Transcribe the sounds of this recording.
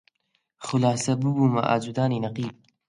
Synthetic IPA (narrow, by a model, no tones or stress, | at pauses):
xʊlaːsɐbɨbuːmɐ̰ʔa̰ːd͡ʒud̪aːninɐqiːb̚